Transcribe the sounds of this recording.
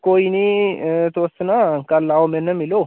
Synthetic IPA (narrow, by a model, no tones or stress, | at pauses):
kojnet̪ʰəwɔsːənaŋkalːawomənːəmːiləw